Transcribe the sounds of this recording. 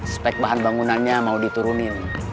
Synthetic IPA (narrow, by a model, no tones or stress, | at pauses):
spɛk̚baɦanbaŋunanɲamaudit̪uɾunin